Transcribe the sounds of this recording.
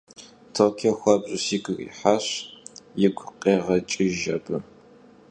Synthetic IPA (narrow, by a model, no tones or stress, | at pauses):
tʰoʁkʰexʷɐbɕʼɪsiːɡʷɨɣḭħaɕjɪɡʷqʼeːʁɐt͡ʃʼɪʒɐbɨ